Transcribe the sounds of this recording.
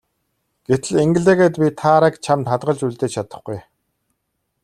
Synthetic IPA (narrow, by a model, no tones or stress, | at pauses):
ɡ̥et̪ɘ̆ɮeŋɡɘ̆ɮeːɣeːt̪pʲit̪ʰaɾəkt͡ɕʰamt̪χat̪ʁə̆ɮt͡ɕuɮt̪eːt͡ɕt͡ɕʰat̪ə̆χɡuj